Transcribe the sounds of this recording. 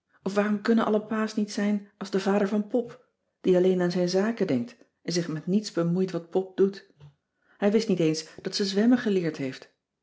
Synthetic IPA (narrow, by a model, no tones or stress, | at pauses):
ʔɔfʋaːrɔmkɵnənʔɑ̰ləpaːsnitsɛjnɑlˠzdəvaːdəɹvɑnpɔp | d̥iɑlejnaːnzɛjnzaːkədɛŋk̚t | ɛnzɪχmɛtnitzbəmujtʋɑt̚pɔp̚dut | ɦɛjʋɪstnitejnsd̥ɑtsəzʋɛməχəlɪːɹtɦejft